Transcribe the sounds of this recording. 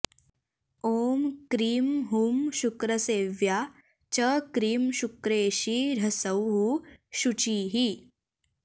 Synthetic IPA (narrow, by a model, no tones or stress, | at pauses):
oːmkɾiːmɦuːmɕukɾəseːʋja | t͡ɕəkɾiːmɕukɾeːɕiɾəsəwɦuːɕut͡ɕiːɦi